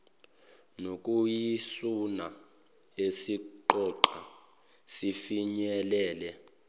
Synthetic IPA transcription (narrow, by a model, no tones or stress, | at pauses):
nokʼujisuna | esiǃɔǃa̰ | sifiɲɛlɛːlɛ